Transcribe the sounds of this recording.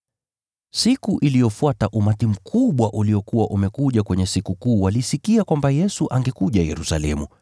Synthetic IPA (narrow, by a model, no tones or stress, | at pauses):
sikuʔilijɔfuataʔumatim̩kʰuɓwaʔuliɔkuwaʔumɛkuʄakwɛɲɛsikukuːwalisikiakwambajɛsuʔaŋɡɛkuʄajɛ̰ɾusa̰lɛmu